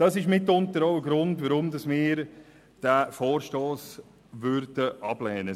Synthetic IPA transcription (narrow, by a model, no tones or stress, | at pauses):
d̥ɑsɪʃmɪtːʊntəɾoʊəɡɾʊndʋəɾʊmdɑsmɪːɾ | d̥æːfɔːɾʃtoːs | ʋʏɾd̥əʔɑb̥lɛːnə